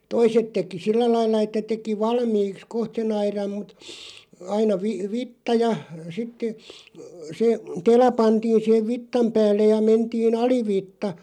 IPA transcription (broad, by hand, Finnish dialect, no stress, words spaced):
toiset teki silːæ lɑilːɑ etːæ teki ʋɑlmiːks koht sen ɑirɑm mut ɑinɑ ʋi ʋitːɑ jɑ sitːĕ se telɑ pɑntiːn̞ sih̆eʋ ʋitːɑm pæːlːej jɑ mentiːn ɑliʋitːɑ